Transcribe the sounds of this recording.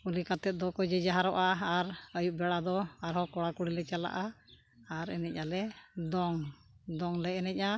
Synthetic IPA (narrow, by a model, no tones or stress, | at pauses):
ulikat̪ɛt̪̚d̪ɔkɔd͡ʒɛd͡ʒaɦaɾɔʔaːɾəjuʔ̚bɛɽad̪ɔaɾɦɔkɔɽakuɽilɛt͡ʃala̰ʔa | aɾɛ̰nɛc̚ˀalɛd̪ɔŋ | d̪ɔŋlɛɛnɛc̚ˀa